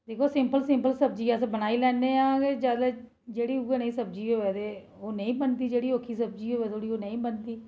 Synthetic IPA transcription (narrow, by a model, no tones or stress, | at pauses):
d̪eːkʰoːsɪmpəlsɪmpəlsəb̚d͡ʒiːasbənaːiːlɛːneːãːked͡ʒjaːd̪aː | d͡ʒeːɽiːuɡənəĩːsəb̚d͡ʒiːɦoːɛːt̪eː | oːnəĩːbənt̪iːd͡ʒeːɽiːoːkʰːiːsəb̚d͡ʒiːɦoːɛːt̪ʰoːɽiːoːnəĩːbənt̪iː